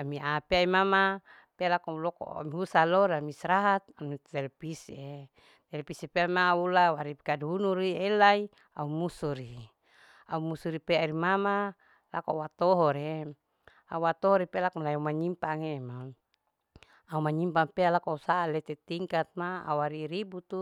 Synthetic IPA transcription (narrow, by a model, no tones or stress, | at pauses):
amiapeaimama | pelakaulɔko̰a̰miusaloɾamisɾaɦat̪̚amiɛlpise | t̪ɛlpisipeamaulawaɾipkadunuɾielai | a̰umusuɾi | aumusuɾipeaɾimama | lakowat̪oɦɔɾe | a̰uat̪ɔɔɾipelakmalajaumaɲimpaŋema | aumaɲimpaŋpealakoausaːlet̪et̪iŋkat̪̚maa̰uaɾiɾibut̪u